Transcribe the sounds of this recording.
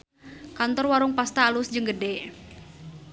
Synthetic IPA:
kant̪ɔrwaɾʊŋpast̪aːlʊsd͡ʒɨŋɡədɛ

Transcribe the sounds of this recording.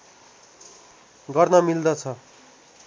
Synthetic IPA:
ɡʌrnʌmild̪ʌt͡sʰʌ

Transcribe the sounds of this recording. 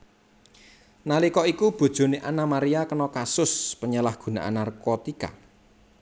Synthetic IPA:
nalikɔikub̥o̤d̥ʒ̥o̤neʔanamaɾiakənɔkasʊspəɲəlahɡ̥ṳna̰ʔa̰nːarkot̪ika̰

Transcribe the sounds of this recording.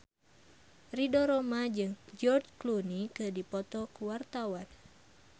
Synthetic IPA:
ridɔɾɔmad͡ʒɨŋd͡ʒɔrd͡ʒklunikɨdipɔt̪ɔkuwart̪awan

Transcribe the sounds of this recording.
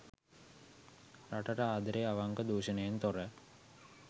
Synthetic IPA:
raʈaʈəaːd̪əɾeaʋaŋɡəd̪uːɕənejent̪oɾə

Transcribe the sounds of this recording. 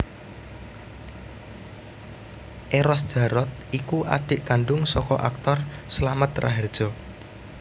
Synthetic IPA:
ʔeɾɔsd̥ʒ̥a̤ɾɔt̪̚ikuʔa̰ɖ̥ɪʔkaɳɖʊŋsɔkɔʔak̚t̪ɔrsəlamət̪ra̰ɦɛrd̥ʒ̥ɔ̤

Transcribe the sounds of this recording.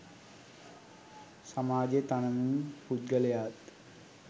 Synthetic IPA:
samaːd͡ʒet̪anɐmumpud̪̚ɡəlejaːt̪

